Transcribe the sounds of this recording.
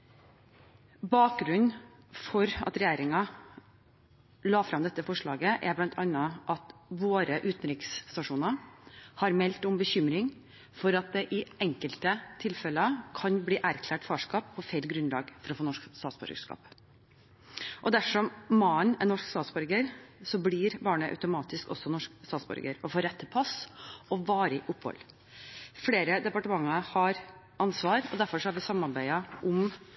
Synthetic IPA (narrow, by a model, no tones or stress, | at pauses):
bɑːk̚ɡɾʉn | fɔɾɑ̰t̪ɾɛjeːɾɪŋɑ | lɑːfɾɑmd̪ɛt̪ːəfɔʂɭɑːɡəʔæɾblɑnt̪ʰɑnːəʔɑt̪ʋoːɾəʔʉːt̪n̩ɾɪkst̪ɑʂuːnɑhɑɾmɛlt̪ʊmbəçʏmɾɪŋ | fɔɾɑt̪̚d̪ɛʔɪɛŋkəlt̪ət̪ʰɪlfɛləɑkʰɑnb̪iːʔæɾkʰlæːʈfɑːʂkɑːpʰːɔfæɪlɡɾʉnlɑ̰ːɡfɔɾɔfoːnɔʂkst̪ɑːt̪sbɔ̰ɾɡəʂkɑ̰ːp | ʔɔd̪æfʂɔmmɑnɛnɔʂkst̪ɑːt̪sbɔɾɡəɾsɔblɪːɾbɑːɳəʔɑ̰ʉt̪ʊmɑːt̪ɪskɔ̰sːɔnɔʂkst̪ɑːt̪sbɔ̰ɾɡəɾɔfoːɾɛt̪ʰːəpʰɑsɔʋɑːɾəʔʊpːhɔ̰l | fleːɾəd̪ɛpɑʈəmɑŋːɑhɑɾ | ʔɑnsʋɑːɾɔd̪æɾfɔʂɔhɑɾʋɪsɑmːɑɾbæɪɑʔʊm